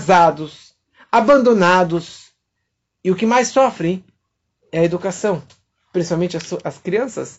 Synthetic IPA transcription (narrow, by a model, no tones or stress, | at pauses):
zad̪ʊs | abɐ̃nd̪onad̪ʊs | ɪʊkɪmajsɔfɾẽj̃ | ɛɐed̪ukasɐ̃w̃ | pɾĩsi̥pawmẽnt͡ʃɪɐsʔɐskɾiɐ̃sɐ̰s